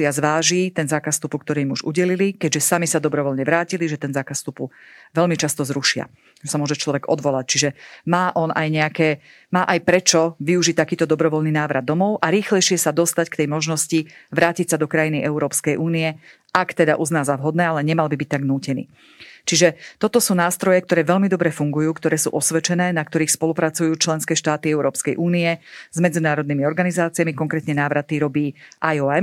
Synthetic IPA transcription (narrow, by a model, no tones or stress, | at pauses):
iazʋaːʒiːt̪ɛnzaːkast̪upukt̪ɔɾiːmuʒuɟɛlilikɛɟʒɛsamisad̪ɔbɾɔʋɔlɲɛʋɾaːciliʒɛt̪ɛnzaːkassːt̪upuʋɛlmit͡ʃast̪ɔzɾuʃɪa̰ | ʒɛsamʊɔʒɛt͡ʃlɔʋɛɡɔ̰d̪ʋɔlac̚t͡ʃiʒɛmaːʔɔnʔajɲɛakɛː | maːʔajpɾɛt͡ʃɔʋiuʒic̚t̪akiːt̪ɔd̪ɔbɾɔʋɔlniːnaːʋɾad̪ːɔmɔʊʔaɾiːxlɛjʃɪɛsad̪ɔst̪ackt̪ɛjmɔʒnɔsciʋɾaːcicsad̪ɔkɾajiniʔɛuɾɔːpskɛjʔuːniɛ | ʔakt̪ɛd̪a̰ʔuznaːzaʋɦɔd̪nɛːalɛɲɛmalbibic̚ʲt̪aɡnuːcɛnḭː | t͡ʃiʒɛt̪ɔt̪ɔsuːnaːst̪ɾɔjɛkt̪ɔɾɛːʋɛʎmid̪ɔbɾɛfuŋɡujuːkt̪ɔɾɛːsṵːʔɔsʋɛt͡ʃɛnɛːnakt̪ɔɾiːxspɔlupɾat͡sujuːt͡ʃlɛnskɛːʃt̪aːt̪iɛuɾɔːpskɛjʔuːniɛz̥mɛd͡zinaːɾɔd̪nimiɔɾɡanizaːt͡siamikɔŋkɾɛːt̪ɲɛnaːʋɾat̪iɾɔbiːʔajɔɛm